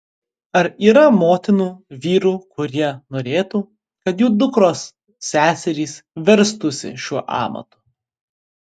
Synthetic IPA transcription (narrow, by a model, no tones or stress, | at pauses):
ɐɾiːɾɐmoːt̪ʲɪnuːʋʲiːɾuːkʊɾʲiɛnoːɾʲeːt̪uː | kɐt̪juːd̪ʊkɾoːsːʲ | æːsʲɛɾʲiːsʋʲɛɾst̪ʊsʲɪ̰ʃʲuɔʔɑ̰ːmɐ̰t̪ʊ̥